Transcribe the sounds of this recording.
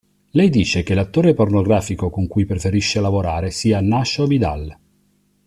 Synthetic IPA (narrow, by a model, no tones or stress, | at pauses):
lɛjd̪iːt͡ʃek̟elat̪ːoːɾepornoɡɾaːfikokoŋkujpɾefeɾiʃːelavoɾaːɾesiːanːaʃovid̪a̰l